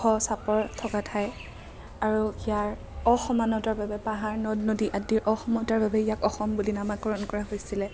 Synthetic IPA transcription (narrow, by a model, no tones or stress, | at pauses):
ɔsapɔɹtʰɔkatʰaj | aɹuijaɹ | ɔxɔmanɔtaɹbabɛpaɦaɹnɔdnodiʔadiɹʔɔxɔmɔtaɹbabɛijakɔxɔmbulinamakɔɹɔnkɔɹaɦojsilɛ